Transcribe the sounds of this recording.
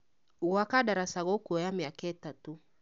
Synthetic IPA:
uɣwakaɗaɾasaɣɔkuɔjamiakɛtatu

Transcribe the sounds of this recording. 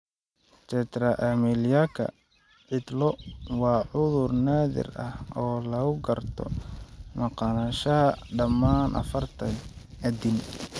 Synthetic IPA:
t͡ʃɛt̪ʰɾɐʔamiljaːkʰɐ̰ | ʕɪd̪lɔwɑːʕʊðʊrnaːðɪ̰rɐhɔːlɐɣʊɡɐrt̪ʰɔ̰mɐqɑːnɐʃɐɦɐɖɐmːaːnʔɐ̰fɐrt̪ʰɐn | ɐd̪ɪn

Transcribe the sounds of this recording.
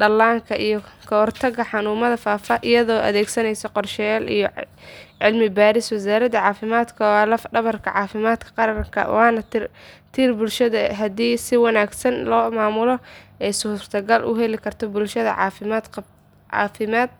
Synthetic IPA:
ɖɐlːaːŋkʰɐʔijɔkʰɐhɔrt̪ʰɐɣɐħɑnuːmɐðɐfaːfɐʔɪjɐðɔːʔɐ̰ðɛːɡsɐnɛjsɐqɔrʃɛjaːlḭjɔʕɪlmɪbaːɾɪswɪs̬aːɾɐðɐʕɑːfɪmaːd̪kʰɐwːlɐfɖɐβɐrkʰɐʕɑːfɪmaːd̪kʰɐ̥qɑɾɐrŋkʰɐ̰wɑːnɐt̪rt̪ʰiːrbʊlʃɐðɐɦɐd̪iːsɪwɑnaːɡsɐnlɔːmaːmʊlɔɛjsuːr̥t̪ʰɐɡɐlʔʊ̰ɦɛlɪkʰɐrt̪ʰɔbʊlʃɐðɐ̰ʕɑ̰ːfɪmaːd̪ʰ | ʕɑ̰ːfɪmaːd̪̥̚

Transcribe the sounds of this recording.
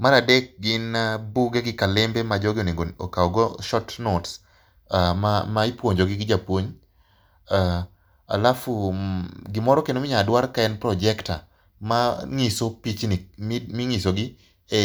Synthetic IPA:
maɾadɛk̚ɡɪnabuɡeɡɪkalɪmbemad͡ʒɔɡɪoneŋɡookaɔɡɔʃɔtnots | amamaɪpwoɲd͡ʒoɡɪɡɪd͡ʒapwoɲ | a | a̰lafuɡɪmɔɾɔkenomɪɲadwaɾkaɛnpɾɔd͡ʒɛkta̰ | maŋisopit͡ʃnɪmiŋisoɡɪ | e

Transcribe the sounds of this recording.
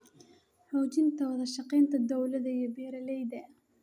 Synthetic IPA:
ħɔːt͡ʃɪnt̪ʰɐwɐðɐʃɐqɛːnt̪ʰɐd̪ɔwlɐðɐiɔbɛːɾɐlɛjd̪ɐ

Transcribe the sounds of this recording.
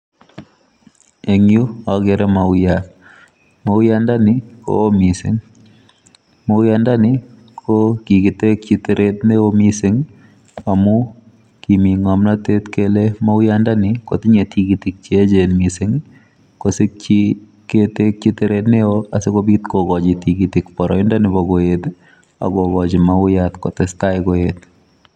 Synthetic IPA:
eŋjuaɡɛɾɛmaʊjat | maʊjandanɪko̰omisɪ̰ŋ | moʊjandanɪ | kʰokiɡit̪ek̚t͡ʃit̪eɾʔet̪neomisɪŋ | amu | kimiŋɔmnat̪et̪kelemoʊjandanɪko̰t̪ɪɲetiɡit̪ɪk̚t͡ʃied͡ʒenmisɪŋ | kosɪk̚t͡ʃi | ketek̚t͡ʃiteɾet̪neoasekobit̪koɡɔd͡ʒɪtiɡit̪ɪkpɔɾɔɪndanɪbɔɡoet̪ | a̰ɡoɡɔd͡ʒɪmaʊjat̪kɔt̪ɛstaɪkoet̪̚

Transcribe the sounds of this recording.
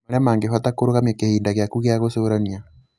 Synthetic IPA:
aɾamaːŋɡeɦatakoɾoɣamjakehiːndaɣjakuɣeaɣosoɾania

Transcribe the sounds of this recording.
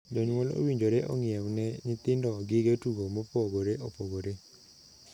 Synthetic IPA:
d͡ʒɔɲwolo̰wiɲd͡ʒoɾeʔɔ̰ŋɪɛwnɛɲɪt̪ɪndɔɡɪɡetuɡomopoɡoɾeʔopoɡoɾe

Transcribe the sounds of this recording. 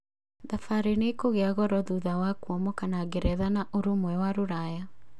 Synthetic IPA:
ðafaɾenekoɣeaɣɔɾɔðuðawakuɔmɔkanaɡeɾɛðanaʔoɾomwɛwaɾoɾaja

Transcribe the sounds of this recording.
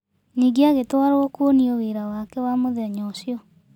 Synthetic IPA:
niːɡeaɣetwaɾookonioweɾawakɛwamoðɛɲɔsjɔ

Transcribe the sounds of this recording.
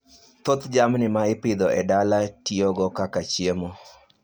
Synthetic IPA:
t̪ot̪d͡ʒamnɪmaɪpɪd̪ɔɛdalatioɡɔkakat͡ʃjemo

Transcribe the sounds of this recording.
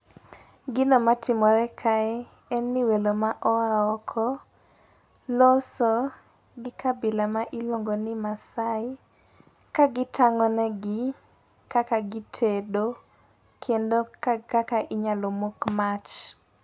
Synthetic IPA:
ɡɪnɔmatɪmɔɾɛkʰaɛ | ɛnːɪwelomaʔɔaɔkʰɔ | lɔsɔ | ɡɪkʰabɪlamaʔɪlwoŋɡonɪmasaɪ | kaɡɪtʰaŋɔnɛɡɪ | kakaɡɪtʰedo | kʰjendokakakaʔɪɲalomokmat͡ʃ

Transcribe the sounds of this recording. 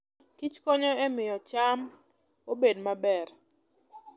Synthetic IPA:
kit͡ʃkoɲoemɪjɔt͡ʃam | obedmabɛr

